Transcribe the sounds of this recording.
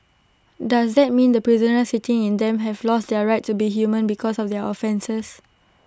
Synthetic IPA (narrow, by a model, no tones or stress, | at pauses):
dasd̪ɛt̚mĩndəpɹizənəsitĩŋĩnd̪ɛ̃mɦɛvlɔstdɛɹaɪtːubiɦjumə̃nbikʰɔsɔfdɛʔɔfɛ̃nsəs